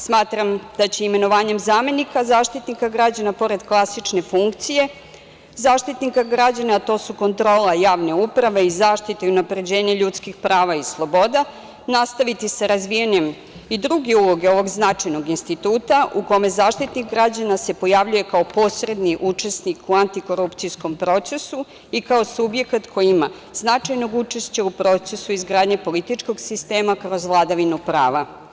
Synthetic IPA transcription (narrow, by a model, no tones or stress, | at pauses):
smaːt̪ɾamd̪̥at͡ɕe̞ime̞no̞ʋaːɲe̞mzaːme̞nikazaːʃt̪it̪nikaɡɾad͡ʑanapo̞ɾe̞d̪klˠasit͡ʃne̞fuŋkt̪sije̞ | zaːʃt̪it̪nikaɡɾad͡ʑanat̪o̞suko̞nt̪ɾo̞ːlajaːʋne̞upɾaʋe̞izaːʃt̪it̪eiunapɾe̞d͡ʑe̞ːɲaʎut̪skixpɾaːʋaislˠo̞bo̞d̪a | nast̪aʋit̪isaɾazʋijaɲe̞m | id̪ɾuɡeulˠo̞ɡeo̞ʋo̞ɡznat͡ʃajno̞ɡinst̪it̪uːt̪aʔuko̞me̞zaːʃt̪it̪niɣɡɾad͡ʑanase̞po̞jaʋʎuje̞kao̞po̞sɾe̞d̪niʔut͡ʂe̞snikʰuant̪iko̞ɾupt̪sijsko̞mpɾo̞t̪se̞su | ikao̞subje̞kat̪kʰo̞jima | znat͡ʃajno̞ɡut͡ʃe̞ʃt͡ɕaupɾo̞t̪se̞suizɡɾaːd̪ɲe̞po̞lit̪it͡ʃko̞ɡsist̪e̞ːmakɾo̞zʋlˠad̪aʋinupɾaːʋa